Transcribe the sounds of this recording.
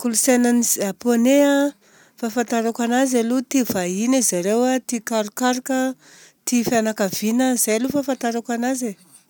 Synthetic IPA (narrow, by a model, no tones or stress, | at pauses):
kulusenaniaponea | fafant̪aɾakanazalut̪ivainizaɾewat̪ikaɾukaɾukə | t̪ifanakavinəzajalufafant̪aɾakanaze